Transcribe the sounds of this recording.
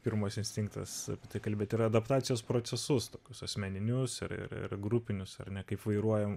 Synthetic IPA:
pʲɪɾmoːsʲɪnʲsʲt̪ʲɪŋkt̪ɐ̰sɐ̰pʲiɛt̪ɐɪkɐlʲbʲeːt̪ɪɾɐd̪ɐpt̪ɑːt͡s̪sʲɪjoːspɾoːtsʲɛsʊst̪oːkʲʊsɐsʲmʲɛnʲɪnʲʊsɪɾɪ̰ɾɪ̰rɡɾʊpʲɪnʲʊsɐ̰rnʲɛkɐɪpʋɐɪɾuɔjɛm

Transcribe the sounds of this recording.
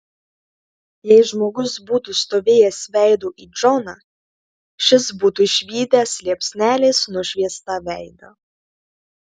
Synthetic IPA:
jɛɪʒmoːɡʊsbuːt̪uːst̪oːʋʲeːjɛsʋʲɛˑɪd̪oːʔiːd͡ʒɔnɑ | ʃʲɪsbuːt̪uːʃʲʋʲiːd̪ʲæslʲiɛpʲsʲnʲæːlʲeːsnʊʃʲʋʲiɛst̪ɑʋʲɛɪd̪ɐ̰

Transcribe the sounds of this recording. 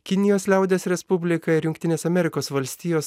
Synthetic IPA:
kʲɪnʲɪjoːslʲæˑʊd̪ʲeːsɾʲɛspʊbʲlʲɪkɐɪɾjʊŋʲkt̪ʲɪnʲeːsɐmʲɛɾʲɪkoːsʋɐlʲsʲt̪ʲiːjoːs

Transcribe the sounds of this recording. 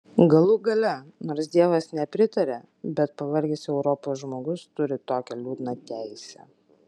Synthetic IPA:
ɡɐlˠʊɡɐlʲɛnoːɾsd̪ʲiɛʋɐsnʲɛpʲɾʲɪt̪ɐɾʲɛ | bʲɛt̪̚pɐʋɐɾʲɡʲɪsʲɛʊɾɔpoːsʒmoːɡʊst̪ʊɾʲɪt̪oːkʲɛlʲuːd̪nɐt̪ʲæɪsʲɛ̰

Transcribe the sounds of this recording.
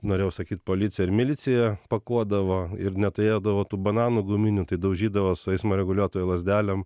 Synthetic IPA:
noːɾʲeːjɛʊsɐkʲiːt̪̚poːlʲɪtt͡s̪ʲsʲɪjɛɪɾmʲɪlʲɪtt͡s̪ʲɪjɛpɐkuɔd̪ɐʋoːɪɾnʲɛt̪ʊɾʲeːd̪ɐʋoːt̪uːbɐnɑːnuːɡʊmʲɪnʲʊt̪ɐɪd̪ɐʊʒʲiːd̪ɐʋoːsʊɛɪsmoɾʲɛɡʊlʲuɔt̪oːjɛlˠɐzʲd̪ʲæːlʲɛm

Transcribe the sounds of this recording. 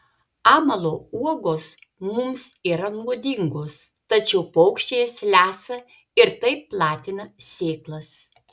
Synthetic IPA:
ɑːmɐlˠoːuɔɡoːs | mʊmsiːɾɐnuɔd̪ʲiŋɡoːs | t̪ɐt͡ʃʲɛʊpɐʊkʃʲt͡ʃʲeːjɛslʲæːsɐ | ɪɾt̪ɐɪpːlˠɑːt̪ʲɪnɐsʲeːklˠɐs

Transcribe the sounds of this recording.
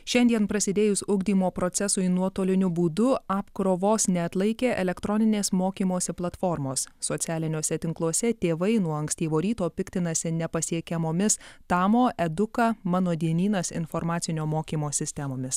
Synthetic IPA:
ʃʲɛnʲd̪ʲiɛnpɾɐsʲɪd̪ʲeːjʊsʊɡd̪ʲiːmoːpɾɔt̪sʲɛsʊɪnuɔt̪oːlʲɪnʲʊbuːd̪ʊɑːpkɾoːʋoːsnʲɛɐt̪lˠɐɪkʲeːʔɛlʲɛkt̪ɾɔnʲɪnʲeːsmoːkʲiːmoːsʲɪplˠɐt̪fɔɾmoːsːot̪sʲæːlʲɪnʲoːsʲɛt̪ʲɪŋklˠuɔsʲɛt̪ʲeːʋɐɪnuɔɐŋksʲt̪ʲiːʋoːɾʲiːt̪oːpʲɪkt̪ʲɪnɐsʲɪnʲɛpɐsʲiɛkʲɛmoːmʲɪst̪ɑːmoːʔɛd̪ʊkɐmɑːnoːd̪ʲiɛnʲiːnɐsɪ̰nfɔɾmɑːt̪sʲɪnʲoːmoːkʲiːmoːsʲɪsʲt̪ʲɛmoːmʲɪs

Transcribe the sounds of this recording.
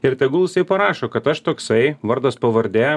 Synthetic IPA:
ɪɾt̪ʲɛɡʊlˠɪsʲɛɪpɐɾɑːʃoːkɐt̪ɐʃt̪oːksɐɪʋɐɾd̪ɐspɐʋɐɾʲd̪ʲæːj

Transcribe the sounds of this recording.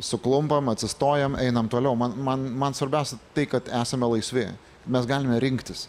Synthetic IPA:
sʊklˠʊmpɐmɐtʲsʲɪst̪oːjɛmɛɪnɐmt̪oːlʲɛʊmɐnmɐnmɐnsʋɐɾʲbʲæˑʊsʲɛt̪ɐɪkɐt̪æːsɐmʲɛlˠɐɪsʲʋʲeː | mʲɛsɡɑːlʲɪmʲɛɾʲɪŋkt̪ʲɪs

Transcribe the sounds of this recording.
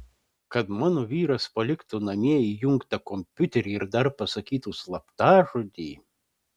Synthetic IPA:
kɐt̪mɑːnoːʋʲiːɾɐspɐlʲɪkt̪ʊnɐmʲiɛijʊŋkt̪ɐkɔmʲpʲʊt̪ʲɛɾʲiɪɾd̪ɐɾpɐsɐkʲiːt̪uslˠɐpt̪ɑːʒʊd̪ʲiː

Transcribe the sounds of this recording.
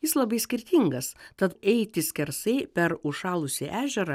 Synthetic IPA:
jɪslˠɐbɐɪsʲkʲɪɾʲt̪ʲiŋɡɐst̪ɐt̪ɛɪt̪ʲɪsʲkʲɛɾsɐɪpʲɛɾʊʃɑːlˠʊsʲɪʔæːʒʲɛɾɐ

